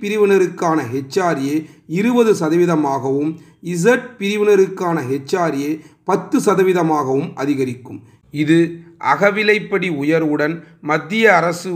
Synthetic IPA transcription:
pɪɾɪʋɐnɐɾɯkːaːnɐɦɛt͡ʃːaːɾɪjeːɪɾɯbɐðɯsɐðɐʋɪðɐmaːɣɐʋɯm | ɪs̬ɐʈ̚pɪɾɪʋɪnɐɾɯkːaːnɐɦɛt͡ʃːaːɾɪjɐɪpɐt̪ːɯsɐðɐʋɪðɐmaːɣɐʋɯmʔɐðɪɣɐɾɪkːɯm | ɪðɯʔɐ̰ɣɐʋɪlɐɪpːɐɽiʊjɐɾɯɽɐnmɐd̪ːɪjɐːɾɐsɯ

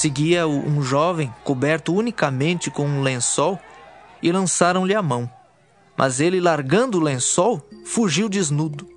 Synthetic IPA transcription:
seɡiɐʊũʒɔvẽj̃kobɛɾt̪ʊunikɐmẽnt͡ʃɪkõũlẽsɔwɪlɐ̃saɾɐ̃w̃lɪamɐ̃w̃ | mʔɐ̰zelɪlaɾɡɐ̃nd̪ʊlẽsɔwfuʒiwd͡ʒɪznud̪ʊ

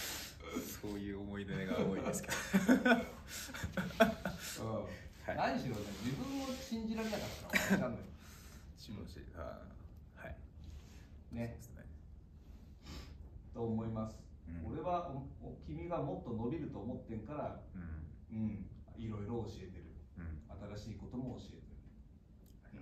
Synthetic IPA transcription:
soːjɯ̟ːomo̞id̪eneɡamoaske | ɯ̃ːhanaɲiɕiɾo̞ned͡ʑibɯ̟̃mːoɕĩɲ̟d͡ʑiɾaɾe̞nakat̪ːaãnd̪ao | ioɕḭa̰ | hai | ne̞̰ | t̪o̞ːmo̞imasɨ̥o̞ɾe̞βaʔokʲimʲiɡamo̞t̪ːo̞no̞bʲiɾɯ̟t̪oːmo̞t̪ːẽ̞ŋkaɾa | ɯ̟̃ɴiɾo̞iɾo̞ːɕie̞t̪e̞ɾɯ̟at̪aɾaɕiːko̞t̪o̞mo̞ːɕie̞t̪e̞ɾɯ̟

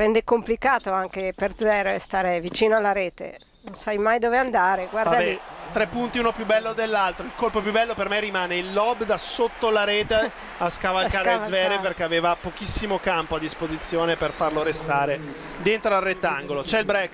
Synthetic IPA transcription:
ɾɛnd̪ekomplikaːt̪oaŋkeperd̪zvɛɾest̪aːɾevit͡ʃiːnoalːaɾeːt̪ḛ | nonsajmajd̪oːveand̪aːɾeɡwardd̪alit̪ɾepːunt̪iunopjubːɛlːod̪elːalt̪ɾoilkolpopjubːɛlːopermerːimaːneilːɔbd̪asot̪ːolaɾeːt̪e | askavalkaːɾezvɛːɾeperk̟eaveːvapokisːimokampoad̪ːispozit̪sːjoːneperfarloɾest̪aːɾe | d̪ent̪ɾoarːet̪ːaŋɡolot͡ʃɛilbɾɛkː

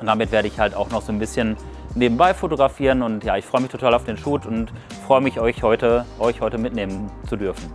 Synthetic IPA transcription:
ʊntd̥amɪtv̥eːɐɾəɪçhaltaʊxnɔχz̥oːnbɪsçənneːbm̩baɪfotoɡʁafiːʁənʊntjaːɪçfʁ̥ɔʏəmɪçtʰotʰaːlaʊd̥eːnʃuːtʰʊntfʁ̥ɔʏəmɪçʔɔʏçhɔʏtəʔɔʏçhɔʏtəmɪtneːmənt͡sudʏɐfn̩

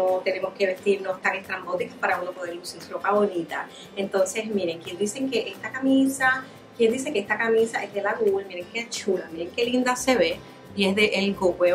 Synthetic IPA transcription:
ot̪e̞ne̞mo̞ske̞βe̞st̪iɾno̞st̪aŋest̪ɾambo̞t̪ikapaɾaunopoðeɾusensɾofaβoɾit̪a | e̞nt̪o̞nse̞smiɾe̞ŋkje̞nd̪ise̞ŋkeʔest̪akamisa | kje̞nd̪is̬e̞keest̪akamĩsaʔe̞zðe̞laɣulmiɾe̞ŋkeat͡ʃulamiɾeŋke̞lind̪ase̞βe | iesðeʔelkoɣwe

